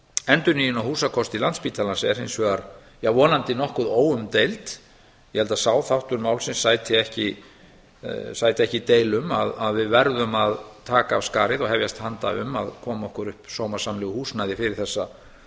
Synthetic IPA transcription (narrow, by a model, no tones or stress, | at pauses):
ɛnt̪ʏɾnijɪnawhuːsakʰɔst̪ɪlant̪spiːt̪ʰalansɛɛɾhejnsvɛɣaɾ | javɔːnant̪ɪnɔhkʏðoːwʏmt̪ejlt̪ | jɛhɛlt̪asaːwθawht̪ʏɾmaːwlsɪnsːaːjt̪ɪɛhcɪ | saːjt̪ɪɛhcɪt̪eːjlʏmaðaðvɪðvɛɾðʏmaðt̪ʰaːkaːvskaːɾɪðɔɣhɛvjast̪hant̪a̰ʏ̰ma̰ðkʰɔːmɔhkʏɾʏhpsoːwmḁsamlɛɣʏhuːsnajðɪfɪɾɪɾ̥θɛsːa